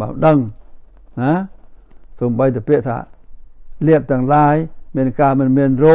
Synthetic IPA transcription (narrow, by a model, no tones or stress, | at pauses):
ɓa̰ːwɗəŋ | na | soːmɓəjt̪ɨəpiəʔt̪ʰa̰ː | liəp̚t̪ɛ̆əŋlaːjmiənkaːmɨnmiənroː